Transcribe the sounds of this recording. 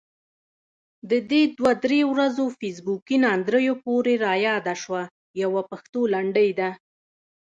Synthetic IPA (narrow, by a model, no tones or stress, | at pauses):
d̪əd̪ed̪wad̪ɾewɾazofis̬bukinɑnd̪ɾəjopoɾeɾɑjɑd̪aʃwa | jawapaxt̪olaɳɖəjd̪a